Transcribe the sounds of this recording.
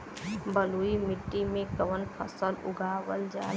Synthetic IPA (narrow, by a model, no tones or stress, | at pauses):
bəluimɪʈːimẽkəʋənpʰə̰səlʊ̰ɡʱaːwəld͡ʒa